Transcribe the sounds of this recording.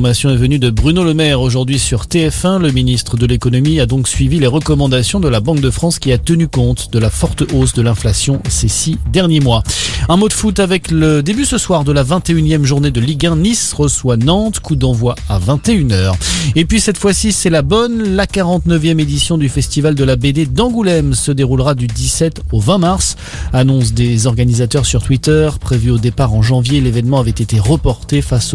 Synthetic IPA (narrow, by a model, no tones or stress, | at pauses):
masjɔ̃ɛvənyd̪əbʁynoləmɛʁoʒuʁd̪ɥisyʁt̪eɛfɛ̃ləminist̪χəd̪əlekɔnɔmiad̪ɔ̃ksɥivileʁəkɔmɑ̃d̪asjɔ̃d̪əlabɑ̃k̚d̪əfχɑ̃skʲiat̪ənykɔ̃t̪d̪əlafɔʁt̪osd̪əlɛ̃flasjɔ̃sesid̪ɛʁnjemwaɛ̃mod̪fut̪avɛkləd̪ebysəswaʁd̪əlavɛ̃t̪eynjɛmʒuʁned̪əliɡɛ̃nisʁəswanɑ̃t̪kʰud̪ɑ̃vwaa̰vɛ̃t̪eynœːʁepɥisɛt̪fwasisɛlabɔnlakaʁɑ̃t̪nəvjɛmed̪isjɔ̃d̪yfɛst̪ivald̪əlabed̪ed̪ɑ̃ɡulɛmsəd̪eʁulʁad̪yd̪isɛt̪ovɛ̃maʁs | anɔ̃s̬d̪ezɔʁɡanizat̪œʁsyʁt̪wit̪œʁpχevyod̪epaʁɑ̃ʒɑ̃vjelevɛnmɑ̃avɛt̪et̪eʁəpɔʁt̪efas